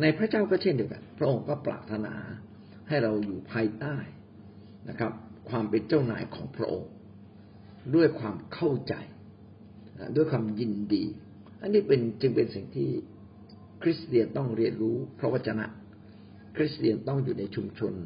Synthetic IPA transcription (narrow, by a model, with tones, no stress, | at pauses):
na˧jpʰɾa˦˥t͡ɕaː˥˩wkɔː˥˩t͡ɕʰe˥˩ndi˧əwka̰˧˩npʰɾa˦˥ʔo˧ŋkɔː˥˩pɾa̰ː˨˩p̚t̪ʰːa˧na̰ː˩˦ | ha˥˩jɾa˧wjuː˨˩pʰaː˧jt̪aː˥˩j | na̰˦˥kʰɾa˦˥p̚kʰwaː˧mpe˧nt͡ɕa˥˩wna̰ː˩˦jkʰɔ̰ː˩˦ŋpʰɾa̰˦˥ʔo̰˧ŋ | du˥˩əjkʰwaː˧mkʰa˥˩wt͡ɕa̰˨˧j | ʔa̰˧˩du˥˩əjkʰwaː˧mji˧ndḭː˧ | ʔa˧nːiː˥˩pe˧nt͡ɕɯ˧ŋpe˧nsi˨˩ŋt̪ʰiː˥˩ | kʰɾi˦˥st̪i˧ənt̪ɔ˥˩ŋɾi˧ənɾuː˦˥pʰɾɔ˦˥wa˥˩t͡ɕʰa˧na̰˦˥ʔ | kʰɾi˦˥st̪i˧ənt̪ɔ˥˩ŋjuː˨˩na˧jt͡ɕʰu˧mt͡ɕʰo˧n